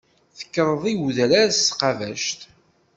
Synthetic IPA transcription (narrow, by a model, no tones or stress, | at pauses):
θə̥kːəɾˤəðˤiwðəɾaɾssqɑvæʃt̪